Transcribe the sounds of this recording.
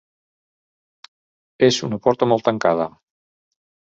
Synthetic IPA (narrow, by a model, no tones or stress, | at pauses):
ezunəpɔɾt̪əmɔlˠt̪aŋkað̞ə